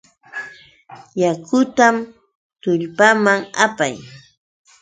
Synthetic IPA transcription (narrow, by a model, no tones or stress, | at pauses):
jakʊt̪am | t̪ʊʎpamaŋapaj